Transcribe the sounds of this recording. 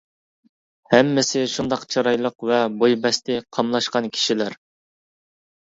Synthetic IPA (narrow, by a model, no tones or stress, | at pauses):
hɛmːɪsɪʃund̪ɑqt͡ʃʰɑɾɑjlˠəqvɛbojbɛst̪ɪqʰɑmlˠɑʃqɑnkʲʰi̥ʃilæɾ